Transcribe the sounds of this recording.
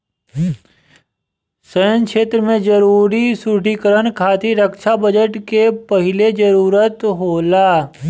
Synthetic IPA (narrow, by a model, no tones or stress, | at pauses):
səjə̃ŋkʃeːt̪ɾəmẽd͡ʒəɾuːɾisuʈikəɾəñkʰaːt̪ʰiɾəkʃabəd͡ʒəʈkepɐɦɪled͡ʒəɾuːɾət̪ɦoːlaː